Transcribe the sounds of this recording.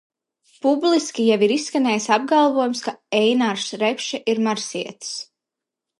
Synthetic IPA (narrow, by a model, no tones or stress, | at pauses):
publˠiskʲijɛviɾisːkanɛːjisab̚ɡalˠvɔjumskaɛjnaɾsɾɛpʃɛʔiɾmaɾsiɛt̪s